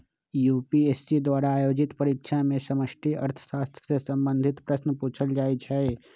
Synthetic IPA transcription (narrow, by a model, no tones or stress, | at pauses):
jupiesːid̪waːɾaːjoːd͡ʒit̪pəɾikʃʰamesəməsʈʰiə̰ɾt̪ʰə̥saːst̪ʰɾəsesə̃mbə̃nd̪ʱit̪pɾəsnəpuːt͡ʃʰəld͡ʒaːet͡ʃʰɛe